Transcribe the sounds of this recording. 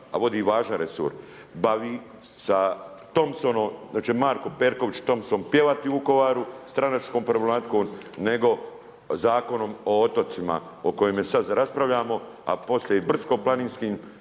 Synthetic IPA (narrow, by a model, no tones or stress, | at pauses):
a̰ʋo̞d̪iːʋaːʒanɾesṵɾ | baʋiː | sat̪o̞msonomat͡ʃemaːɾkopeːɾko̞ʋit͡ʃt̪o̞msoːmpjeʋat̪iuko̞ʋaːɾust̪ɾanat͡ʃkoːmpɾolemat̪koːmne̞ɡo̞ | zaːko̞no̞moot̪o̞t̪sima̰ | oko̞jemesad̪zɾaspɾaʋʎaːmo̞ | a̰po̞slʲjeibr̩sko̞planiːnskiːm